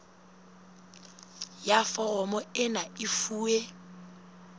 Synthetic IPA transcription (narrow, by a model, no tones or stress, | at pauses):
jafɔɣɔmɔɪnaifuːe